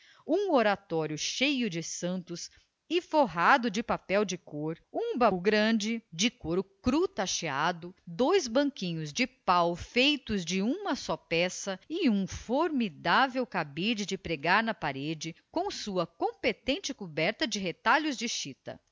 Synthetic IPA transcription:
ũoɾat̪ɔɾjʊʃejʊd͡ʒɪsɐ̃nt̪ʊs | ɪfoɦad̪ʊd͡ʒɪpapɛwd͡ʒɪkoɾũbɐɡɾɐ̃d͡ʒɪd͡ʒɪkoɾʊkɾut̪aʃead̪ʊd̪ojzbɐ̃ŋkĩɲʊzd͡ʒɪpawfejt̪ʊzd͡ʒɪũmɐsɔpɛsɐɪũfoɾmid̪avewkabid͡ʒɪd͡ʒɪpɾeɡaɾnɐpaɾed͡ʒɪkõw̃suɐkõpet̪ẽnt͡ʃɪkubɛɾt̪ɐd͡ʒɪɦet̪aʎʊzd͡ʒɪʃit̪ɐ̰

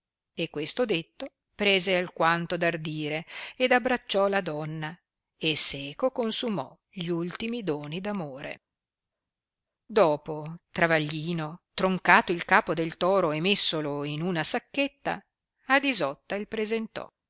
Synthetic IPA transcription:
ekːwest̪od̪et̪ːo | pɾeːzealkwant̪od̪ard̪iːɾeed̪abɾat͡ʃːɔlad̪ɔnːa | esɛːkokonsumɔ | ʎiult̪imid̪oːnid̪amoːɾḛ | d̪ɔːpot̪ɾavaʎːiːnot̪ɾoŋkaːt̪oilkaːpod̪elt̪ɔːɾoemesːoloinunasakːet̪ːa̰ː | d̪izɔt̪ːailpɾezent̪ɔ̰

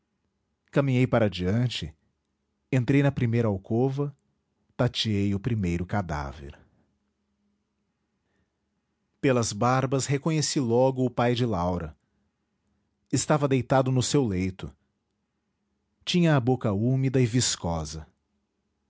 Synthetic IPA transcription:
kɐmĩɲejpaɾɐd͡ʒiɐ̃nt͡ʃɪ | ẽnt̪ɾejnɐpɾimejɾɐawkovɐ | t̪at͡ʃiejʊpɾimejɾʊkad̪a̰vḛɾ | pelɐzbaɾbɐshekõɲesilɔɡʊːpajd͡ʒɪlawɾɐ | ɪst̪avɐd̪ejt̪ad̪ʊnʊsewlejt̪ʊ̰ | t͡ʃĩɲɐːbokɐumid̪ɐɪviskɔzɐ

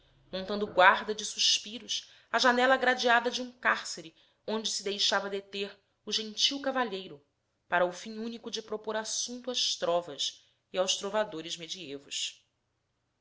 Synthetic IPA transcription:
mõnt̪ɐ̃nd̪ʊɡwaɾd̪ɐd͡ʒɪsuʃpiɾʊs | ɐʒanɛlɐɡɾad͡ʒiad̪ɐd͡ʒɪũkaɾseɾɪ | õnd͡ʒɪsɪd̪ejʃavɐd̪et̪eɾ | ʊʒẽŋt͡ʃiwkavaʎejɾʊ | paɾɐufĩɲũnikʊd͡ʒɪpɾopoɾasũnt̪uaʃt̪ɾɔvɐs | iawʃt̪ɾovad̪oɾɪzmed͡ʒievʊʃ

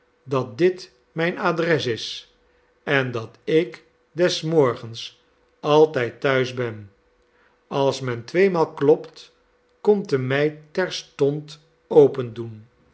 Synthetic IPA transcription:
dɑt̚dɪt | mɛjnaːdrɛsɪs | ɛndɑtɪk | dɛsmɔɹχəns | ɑlˠtɛjtːœɥzbɛn | ɑlˠsmɛntʋejmaːlˠklɔpt | kɔmtəmɛjtɛɹstɔnt | owpəndun

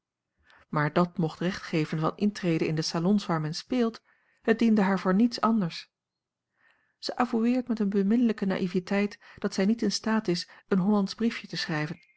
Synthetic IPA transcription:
maːɹdɑtmɔχtrɛχtχejvənvɑ̰nɪntrejdənɪndəsalɔnsʋaːɹmɛnspɪːlˠt | ɦət̚dindəɦaːɹvoːɹnitsɑndəɹs | z̥əʔavuʋɪːɹtmɛtənbəmɪnələkəna̰ːʔivitɛjtd̥ɑtsɛjnitɪnstaːtɪsənɦɔlɑnzbrifjətəsrɛjvən

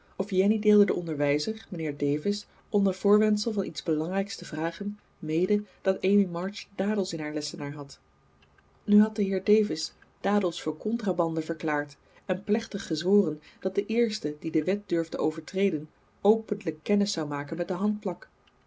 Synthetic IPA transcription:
ɔfjɛnideːlˠdədəʔɔndəɹʋɛjzərmənɪːɹdejvɪs | ɔmdəv̥ʊːɹʋɛntsəlˠvɑnʔidzbəlɑŋrɛjkstəvraːχən | mejdəd̥ɑtejmimɑɹt͡ʃdaːdəlˠsɪnɦaːɹlɛsənaːɹɦɑt | nyɦɑt̚dəɦɪːɹdejvɪs | d̥aːdəlˠsfʊːɹkɔntraːbɑndəvəɹklaːɹt | ɛnplɛχtəχːəzʋoːrənd̥ɑt̚d̥əʔɪːɹstədidəʋɛt̚dʏɹvdəowvəɹtrejdən | owpənləkːɛnəsːɑwmaːkənmɛt̚dəɦɑnt̚plɑk

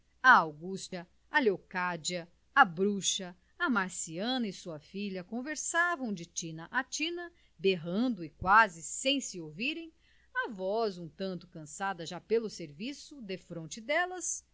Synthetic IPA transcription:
ɐawɡust͡ʃɐ | ɐlewkad͡ʒiɐ | ɐbɾuʃɐ | ɐmaɾsiɐ̃nɐɪsuɐfiʎɐkõveɾsavɐ̃w̃d͡ʒɪt͡ʃĩnɐʔat͡ʃĩnɐ | beɦɐ̃nd̪ʊɪkwazɪsẽj̃sɪowviɾẽj̃ | ɐvɔzũt̪ɐ̃nt̪ʊ̥kɐ̃sad̪ɐʒapelʊseɾvisʊd̪efɾõnt͡ʃɪd̪ɛlɐs

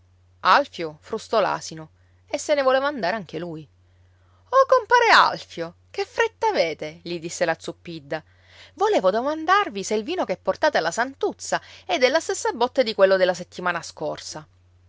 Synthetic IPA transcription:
alfjofɾust̪ɔla̰ːsino | esːenevoleːvaːnd̪aːɾeaŋk̟eluj | okompaːɾea̰lfjo | k̟efːɾet̪ːaːveːt̪eʎid̪isːelat̪sːupːid̪ːa | voleːvod̪omand̪arviseilviːnokeɛpːort̪aːt̪ealːasant̪ut̪sːaɛd̪elːast̪esːabɔt̪ːed̪ikwelːod̪elːaset̪ːimaːnaskorsa

